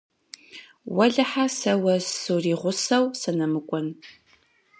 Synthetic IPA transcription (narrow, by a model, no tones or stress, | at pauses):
wɐɮɐħasɐwɐsuriːʁʷʊsɐwsɐnɐmɨkʷʼɔn